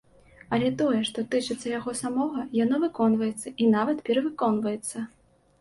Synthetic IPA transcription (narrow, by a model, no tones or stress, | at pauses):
ɐlʲɛt̪ɔjɛʂt̪ɔt̪ɨt͡ʂɨt̪sːɐjaɣɔsamɔɣɐjanɔvɨkɔnvɐjɛt̪sːɐʔinavɐt̪pʲɛɾɐvɨkɔn̪vɐjɛt̪sːɐ